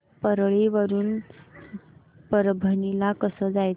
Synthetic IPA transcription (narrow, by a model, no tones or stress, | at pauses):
pəɾɭiʋəɾuːn | pəɾbʱənilakəsəd͡zaj